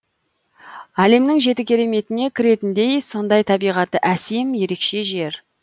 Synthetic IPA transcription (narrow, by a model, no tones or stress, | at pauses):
æle̞mnɪŋʒe̞t̪ɪkʲʰe̞ɾe̞me̞t̪ɪne̞kʲʰɪɾe̞t̪ɪnd̪e̞jso̞nd̪ɑjt̪ʰɑbijʁɑt̪əʔæsemje̞ɾe̞kʃe̞ʒe̞ɾ